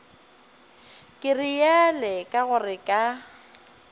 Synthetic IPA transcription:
kʼɪrijɛlɛkʼaɣʊrɪkʼa

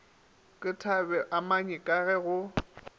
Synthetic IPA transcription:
kʼɪtʰabɛʔamaɲɛkʼaɣɛɣʊ

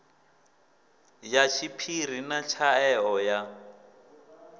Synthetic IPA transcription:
jat͡ʃʰipʰir̤inat͡ʃʰaɛɔja

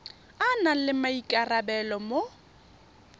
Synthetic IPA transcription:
analɪmaikʼarabɛlɔmo

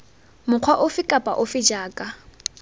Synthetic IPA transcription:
mʊq͡χʰwaʔʊfɪkʼapʼa̰ʔʊfɪd͡ʒaːkʼa

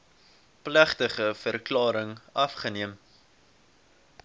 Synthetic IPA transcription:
plæχtəχəfərklɑːɾəŋɐfχəniəm

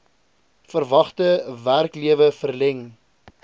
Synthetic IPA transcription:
fərvɐχtəværkliəvəfərlɛŋ

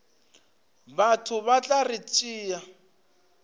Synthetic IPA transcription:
batʰʊβat͡ɬʼarɪt͡ʃʼiːja

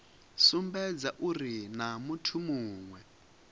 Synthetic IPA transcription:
sumbɛd͡zaʔurinamutʰumuːŋwɛ

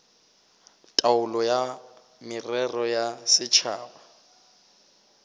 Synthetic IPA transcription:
tʼaʊlɔja | mɪrɛrɔjasɪt͡ʃʰaːba

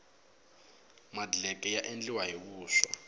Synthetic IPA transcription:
madlɛkʼɛjaʔend͡ɮiwaɦikuːʃa̰

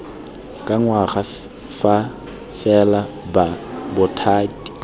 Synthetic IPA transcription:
kʼaŋwaɣa | fa | fɛla | babʊtʰaːtʼi̥

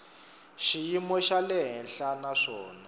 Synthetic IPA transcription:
ʃijimɔʃalɛɦɛnɬanaʂɔːna

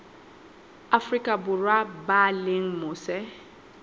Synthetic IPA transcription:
afrikʼabʊrwabalɪŋ̩mʊsɛ

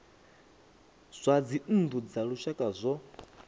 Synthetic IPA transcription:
z̥ʷad͡zin̩d̪ud͡zaɺuʃakʼazʷɔ

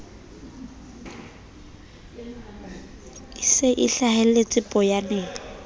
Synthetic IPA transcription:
sɪʔɪɬahɛlet͡sʼɪpʼɔjanɛːɔ

